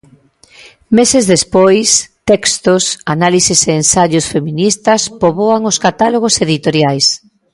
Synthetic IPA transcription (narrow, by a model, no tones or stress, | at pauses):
mesezðespojst̪ɛkst̪osanaliseseːnsaʎʊsfemĩnist̪ɐspoβoaŋoskat̪aloɣ̞oseðit̪oɾjajs